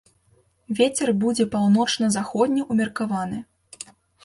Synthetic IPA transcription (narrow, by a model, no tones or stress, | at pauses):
vʲet͡sʲɛrbud͡zʲɛpawnɔt͡ʂnɐzaxɔd̪ʲnʲɐʔumʲɐrkavanɨ